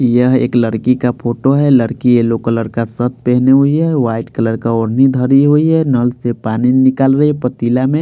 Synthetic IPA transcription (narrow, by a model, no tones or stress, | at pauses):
jəɦḛːkləɾkikapʰoːʈoɦɛləɾkielokələɾkasət̪̚pɛɦneɦoiɦɛʋaːɪʈkələɾkaɔɾnid̪ʱəɾiɦoiɦɛnəlsepaninɪkaːlɾəɛpət̪ilamẽ